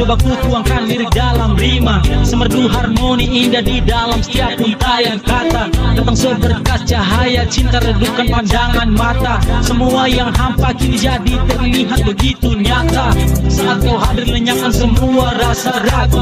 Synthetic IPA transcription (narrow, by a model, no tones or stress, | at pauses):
obakuk̪uaŋkaniɾidalamrimasəmərduɦarmoniːndahdidalamsə̥t̪iap̚unt̪ajakat̪at̪ant̪aŋsobabərkat̪̚d͡ʒaɦajat͡ʃint̪aɾədukanpandaŋanmat̪asəmuajaŋɦampakinid͡ʒadit̪ərniɦat̪̚bəɡit̪uɲat̪asəat̪̚ːawɦadɪrməɲaŋansəmuaɾasaɾa